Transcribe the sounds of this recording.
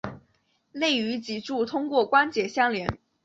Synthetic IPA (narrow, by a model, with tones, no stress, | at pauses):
le˥˩ɪy˧˥t͡ɕi˨˩ʈ͡ʂu˥˩t̪ʰʊ˥ŋkwɔ˥˩kwa˥nt͡ɕjɛ˨˩ɕjɑ˥ŋljɛ˧˥n